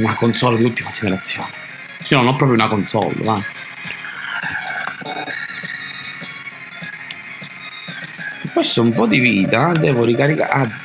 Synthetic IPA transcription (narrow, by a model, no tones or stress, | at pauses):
nakonsɔlːad̪iut̪ːimad͡ʒeneɾat̪sːjɔ̰ːnɛ | sinɔnɔpːɾɔːpɾjunakɔnsɔ̰l̰ːva | pːɛst̪ʊumpɔd̪iviːt̪ad̪ɛːvʊɾikaɾika̰